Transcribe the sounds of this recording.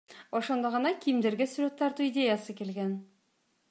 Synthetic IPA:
woʃo̞nd̪əʁənɑkʲʰijmd̪e̞ɾɡʲɪsuɾe̞t̪ʰːɑɾt̪uid̪ʲe̞jɑsəkʲʰe̞lɡʲen

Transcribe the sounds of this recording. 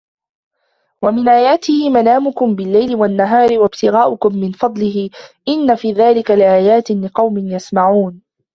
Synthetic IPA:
wamɪnʔaːjaːt̪ɪhɪmanaːmʊkʊmbɪlːajlɪwanːaɦɑːɾɪwabt̪ɪɣaːʔʊkʊmːɪnfɑd̪ˤlɪɦɪʔɪnːafiːðaːlɪkalɪʔaːjaːt̪ɪlɪqɑwmɪnjasmaʕuːn

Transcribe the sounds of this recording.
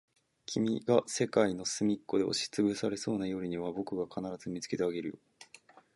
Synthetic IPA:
kʲʰimʲiɡase̞kaino̞sɨmʲikːo̞d̪e̞o̞̰ɕi̥t͡sɨbɯ̟saɾe̞so̞ːnajo̞ːɾʲiɲ̟iβabo̞kɯ̟ɡakʰanaɾazɨmʲit͡sɨ̥ke̞t̪e̞aɡe̞ɾɯ̟jo̰

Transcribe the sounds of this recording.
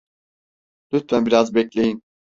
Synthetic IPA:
lʲyt̪fænbiɾazbɛclʲe̞jin

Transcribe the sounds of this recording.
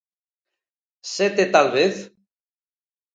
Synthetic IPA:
set̪et̪alβeθ

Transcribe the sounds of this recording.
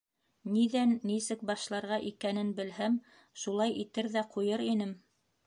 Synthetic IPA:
niðænːisɘkbɑʃlˠɑɾʁɑʔikænɘnbɘ̆lɦæm | ʃulˠɑjʔit̪ɘɾðæqʰujɤɾinɘm

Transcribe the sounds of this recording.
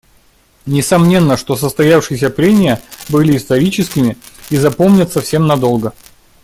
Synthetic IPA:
nʲɪsɐmnʲe̞nːəʂt̪o̞səst̪ɐjafʂɨjɪsʲəpɾʲenʲɪjəbɨlʲɪːst̪ɐɾʲit͡ɕɪskʲɪmʲɪizɐpo̞mnʲət̪sɐfsʲe̞mnɐd̪o̞lˠɡə

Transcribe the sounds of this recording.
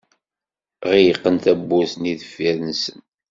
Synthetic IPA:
ʁijəqːənt̪æbːusniðəfːæðnsən

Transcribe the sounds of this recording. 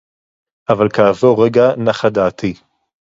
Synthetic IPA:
ʔavalkaːvoʁeɡanaχad̪aːt̪i

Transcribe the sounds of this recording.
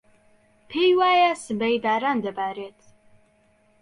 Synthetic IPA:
pʰejwaːjasəbɛjd̪aːɾand̪əbaɾet̪ʰ

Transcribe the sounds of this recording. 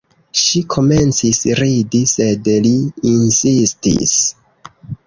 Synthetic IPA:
ʃikʰo̞me̞nt͡sisɾidise̞dliːnsistḭs

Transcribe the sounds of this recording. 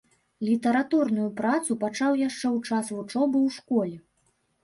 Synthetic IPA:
lʲit̪ɐɾat̪urnujupɾat̪supat͡ʂawjaʂt͡ʂɛwt͡ʂasvut͡ʂɔbɨwʂkɔlʲɛ

